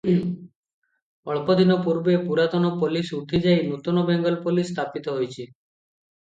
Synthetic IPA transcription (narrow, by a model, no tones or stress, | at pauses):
ɔɭpɔd̪ʱinɔpuɾbepuɾat̪ɔnɔpɔlisut̪ʰid͡ʒajnut̪ɔnɔbɛŋɡɔlpolist̪ʰapit̪ɔɦojt͡ʃʰi